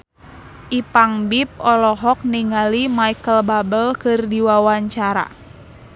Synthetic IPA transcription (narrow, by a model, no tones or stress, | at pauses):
ʔipaŋbip̚ɔlɔɦɔk̚niŋalimaikəlbabəlkɨrdiwawaɲt͡ʃaɾa̰